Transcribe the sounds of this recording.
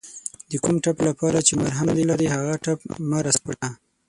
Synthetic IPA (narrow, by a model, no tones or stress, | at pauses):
d̪əkumʈaplapɑɾat͡ʃemaɾɦamd̪elaɾihaɣaʈap̚maɾaspə̰ʈa